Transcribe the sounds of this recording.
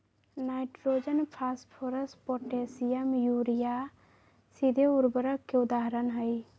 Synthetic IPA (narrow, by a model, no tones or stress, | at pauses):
naɪʈɾod͡ʒənpʰaspʰoɾəspoʈesijəmjuɾija | sid̪ʱeuɾbəɾəkːeʊd̪aɦəɾənɦəj